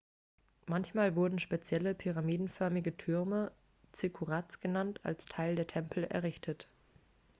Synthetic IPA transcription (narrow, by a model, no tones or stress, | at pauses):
mançmaːlvʊɐdn̩ʃpet͡sjɛləpʰyʁamiːdn̩fœɐmɪɡətʰʏɐmə | t͡sɪkʰuʁat͡sɡ̥ənantʰa̰lstʰaɪldeːɐtʰɛmpʰl̩ɛ̰ɐʁɪçtʰət